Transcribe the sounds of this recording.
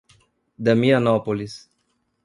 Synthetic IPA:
d̪amianɔpolis

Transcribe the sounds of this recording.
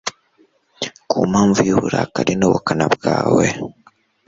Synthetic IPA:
kʰumaːɱvujiβuɾakaɾinoβukanabɡaːwe

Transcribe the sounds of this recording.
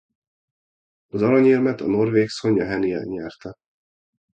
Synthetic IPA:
ɒzɒlɒɲilmɛt̪ɒno̞rveːkso̞ɲːɒɦɛniɛ̰lɲɛrt̪ɛ

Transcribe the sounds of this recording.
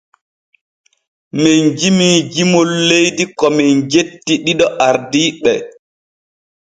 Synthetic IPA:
mɛnd͡ʒimiːd͡ʒimolːejdikɔmɛnd͡ʒetːiɗiɗɔʔaɾdiːɓɛ

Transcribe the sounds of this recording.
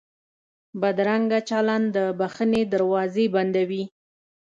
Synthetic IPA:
bad̪ɾaŋɡat͡ʃalɑnd̪əbaxəned̪aɾwɑzeband̪awi

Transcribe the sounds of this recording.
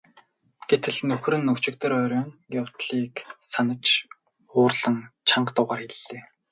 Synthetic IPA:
ɡ̥et̪ʰɘ̆ɮnɵxrɘ̆nːɵkt͡ɕɪ̆k̚t̪ɵ̆ɾœːɾʲœːnjaw̥t̪ɮiːksanə̆t͡ɕ | ʊːrɮə̆ŋt͡ɕʰaɴɢt̪ʊːʁaːrxeɮːeː

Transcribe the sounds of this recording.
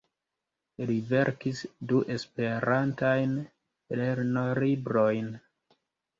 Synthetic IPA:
live̞ɾkisduʔe̞spe̞ɾantajn | leɾnoɾibɾojn

